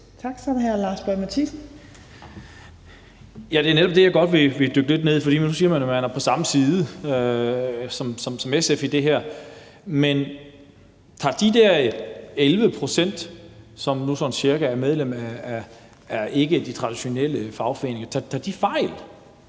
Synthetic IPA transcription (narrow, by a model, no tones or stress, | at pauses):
t͡sʰɑɡ̥sɒnɦæɐlɑ̈ːsb̥ɒmæt͡sʰis̩ | jæd̥e̝æɐneɾɒ̽b̥̚d̥e̝jɑ̈ɡ̥ɒ̽d̥ʋe̝ʋe̝d̥øɡ̥əle̝d̥ne̝ð̞̰ˠfɒ̽d̥ḭːmnːusiːɐmænjomænæɐpʰɒ̽sɑ̈məsiːðˠə | sɒ̽msɒ̽msɒ̽mesefid̥e̝ɦæɐ̰ | men | t͡sʰɑ̈ːd̥id̥æɐelʋəpʰʁo̝sen̰d̥sɒ̽mnusɒ̽nɕiɐɡ̥ææɐmeð̞ˠlem̰æ | æɐe̝ɡ̥əd̥it͡sʰʁɑ̈d̥iɕo̝nel̰əfɑ̈ʊfɒḛne̝ŋɐt͡sʰɑt͡sʰɑ̈d̥ifɑ̈ɪ̰l